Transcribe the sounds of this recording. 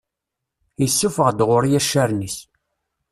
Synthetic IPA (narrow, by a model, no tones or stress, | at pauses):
jəsːufəʁd̪ʁʊɾjæʃːæɾnis